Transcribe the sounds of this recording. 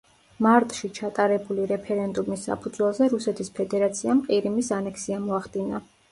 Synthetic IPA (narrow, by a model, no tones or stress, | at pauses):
maɾt̪ʼʃit͡ʃʰat̪ʼaɾɛbuliɾɛpʰɛɾɛnd̪umisːa̰pʰud̪zwɛlˠzɛɾusɛt̪ʰispʰɛd̪ɛɾat̪sʰiamqʼiɾimisanɛksiamɔaχd̪ina